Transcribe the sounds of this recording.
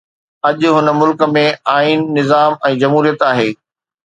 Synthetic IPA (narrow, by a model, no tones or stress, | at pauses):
ɐʄʊɦʊnəmʊlkə̆mẽaːiːnːɪzaːmɛ̃ːd͡ʑɐmɦuːɾijət̪aːɦeː